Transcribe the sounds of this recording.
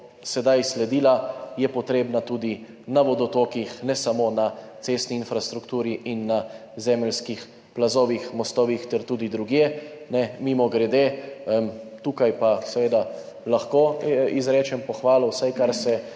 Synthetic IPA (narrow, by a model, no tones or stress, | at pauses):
sɛd̪ajslɛd̪iːlajɛpɔt̪ɾeːbnat̪uːd̪i | naʋɔd̪ɔt̪oːkixnɛsamonat̪seːst̪niːnfɾast̪ɾukt̪uːɾiʔinːazɛːmɛlskix | plazoːʋixmɔst̪ɔːʋixt̪ɛɾt̪uːd̪id̪ɾuɡjenɛmimɔɡɾɛd̪eəmt̪uːkajpasɛʋeːd̪a | laxkoizɾɛːt͡ʃɛmpɔxʋaːlɔwsajkaɾsɛ